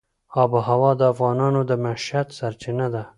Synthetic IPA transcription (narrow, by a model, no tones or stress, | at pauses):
ɑbəɦawɑd̪əafɣɑnɑnod̪əmaʃat̪saɾt͡ʃɪnad̪a